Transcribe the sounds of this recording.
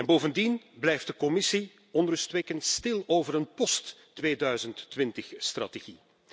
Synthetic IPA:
ɛnboːvəndinblɛjft̚dəkɔmɪsi | ɔnrɵstʋekəntstɪlˠoːvəɾənpɔst | ʋeːdœɥzəntːʋɪntəxstrɑ̰teɣi

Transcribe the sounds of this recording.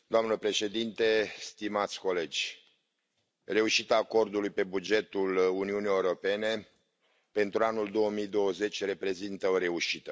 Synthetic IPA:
d̪oamnəpɾe̞ʃe̞d̪int̪e̞st̪imat̪sʲko̞le̞d͡ʒʲ | re̞uʃit̪aːko̞rd̪ulujpe̞bud͡ʒe̞t̪uluniunijeuɾo̞pe̞ne̞ | pe̞nt̪ɾuanuld̪o̞wəmijd̪o̞wəze̞t͡ʃʲre̞pɾe̞zint̪əoɾe̞uʃit̪ə

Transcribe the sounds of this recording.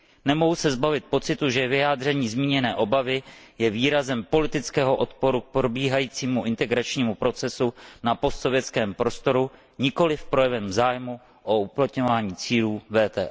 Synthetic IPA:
nɛmo̞ɦusɛzbavɪt̪̚po̞t͡sɪt̪uʒɛvɪjaːd̪r̝ɛɲiːzmiːɲɛnɛːʔo̞bavɪjɛviːɾazɛmpo̞lɪt̪ɪt͡skɛːɦo̞ʔo̞t̪po̞ɾuk̚pɾobiːɦajiːt͡siːmuʔɪnt̪ɛɡɾat͡ʃɲiːmupɾo̞t͡sɛsunapo̞st̪so̞vjɛt͡skɛːmpɾo̞st̪o̞ɾu | ɲɪko̞lɪfpɾo̞jɛvɛmzaːjmu | ʔouplat̪ɲo̞vaːɲiːt͡siːluːvɛːt̪ɛːʔ

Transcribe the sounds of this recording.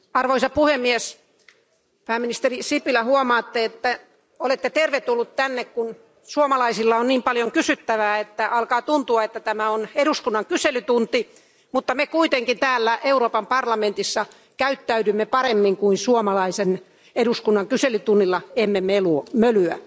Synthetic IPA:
ɑrʋoisɑpuhemːies | pæːminist̪erisipilæhuomɑːt̪ːeet̪ːæ | olet̪ːet̪erʋet̪ulːut̪t̪ænːekkun | suomɑlɑisilːɑonniːmpɑljoŋkysyt̪ːæʋæːet̪ːæʔɑlkɑːt̪unt̪uɑet̪ːæt̪æmæoneduskunːɑŋkyselyt̪unt̪i | mut̪ːɑmekuit̪eŋkint̪æːlːæʔeuɾoːpɑmpɑrlɑment̪isːɑ | kæyt̪ːæydymːepɑɾemːiŋkuinsuomɑlɑisen | eduskunːɑŋkyselyt̪unːilːɑemːemeluomølyæ̰

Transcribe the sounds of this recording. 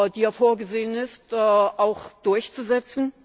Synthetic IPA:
diːaɐfoːɐɡəzeːənɪstɛːʔaʊxd̥ʊɐçt͡suzɛt͡sn̩

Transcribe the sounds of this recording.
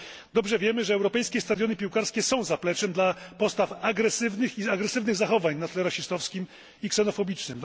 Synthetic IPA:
d̪ɔbʐɛvʲjɛmɘʐɛːwɾɔpɛjskʲɛst̪ad̪jɔnɘpʲiwkaɾskʲɛsɔ̃w̃zaplɛt͡ʂɛmd̪lapɔst̪afaɡɾɛsɘvnɘxiaɡɾɛsɘvnɘɣzaxɔvaɲnat̪lɛɾaɕist̪ɔfskʲim | iksɛnɔfɔbʲit͡ʂnɘm

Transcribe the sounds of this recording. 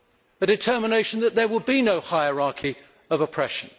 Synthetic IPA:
ɨdɨtʰɜ˞məneɪʃə̃n̩ðət̪̚ðə˞wəl̚binəʊhaɪəɹɑɹkʰi | ʌvəpʰɹ̥ɛʃə̃n̩

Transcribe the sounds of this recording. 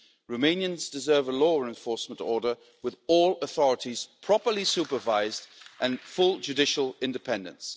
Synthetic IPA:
ɹoʊmẽɪ̃njɨ̃nzdɨzɜ˞vəlɔːəɹɛ̃ɱfɔɹsmə̃ntɔːɹdə˞ | wɨðɔlˠəθɔɹɨtiz̥pʰɹ̥ɑpə˞lisʉpəvaɪzdʔə̃nfʊlˠd͡ʒʉdɪʃəlˠɪ̃ndɨpʰɛ̃ndə̰̃ns

